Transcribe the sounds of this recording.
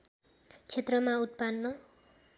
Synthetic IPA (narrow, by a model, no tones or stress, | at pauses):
t͡sʰet̪rʌmaut̪̚panːʌ